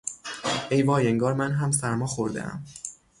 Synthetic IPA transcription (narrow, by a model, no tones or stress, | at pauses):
ʔejvɒːjeŋɡɒːɾmænɦæmsæɾmɒːxoɾd̪ḛʔæ̰m